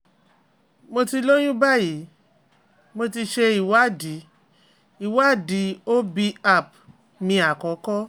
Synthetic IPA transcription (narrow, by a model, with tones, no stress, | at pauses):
mo˧ti˧lo˦j̃ũ˦ba˦˨ji˨˦ | mo˧ti˧ʃe˧i˨wa˦˨di˨˦ | i˨wa˦˨di˨˦o˦bi˧a˧˨p̚ | mĩ˧a˨kɔ˨˦kɔ˦